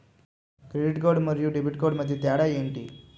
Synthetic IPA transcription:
kɾeɽiʈkoɾɽməɾjuːɖibiʈ̚koɾɽməd̪ʱːjet̪jaɽajeɳʈḭ

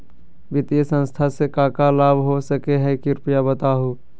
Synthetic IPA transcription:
bɪt̪jəsə̃nst̪ʰasekaːkalaːbʱɦosəkeɦɛ̃kɪɾpɪjabət̪aːɦuː

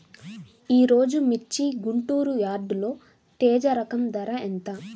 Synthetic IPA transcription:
iːɾo̞ːd͡ʒumit͡ʃːiɡuɳʈuːɾujaːɖlo̞ː | ʈ̪ɛːd͡ʒɐɾɐkɐmd̪ɐɾɐent̪a

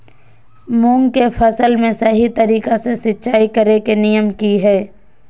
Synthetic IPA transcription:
mʊ̃ŋɡkefʰɐsəlmẽsɐɦit̪ɐɾiːkasesɪtːʃaːikɐɾekenɪjəmkiɦɛː

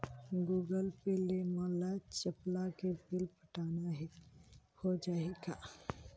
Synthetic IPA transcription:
ɡuːɡəlpelemãlat͡ʃəplakebɪlpəʈaːnaɦ | hod͡ʒaːeɡa

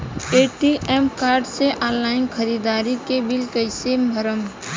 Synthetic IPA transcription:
eːʈiʔeːmkaːɾɖseʔãːnːaːɪnkʰəɾiːd̪aːɾikebɪlkəɪsebʱəɾəm

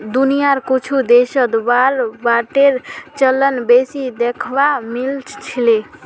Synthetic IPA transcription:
d̪unijaɾkut͡ʃʰud̪eʃəd̪baɾbaʈeɾt͡ʃəlːənbesid̪ekʰbamilt͡ʃt͡ʃʰile

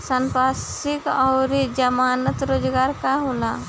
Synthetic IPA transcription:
səmpas | ikɔwɾid͡ʒəmaːnət̪ɾoːd͡ʒɡaːɾkaɦola

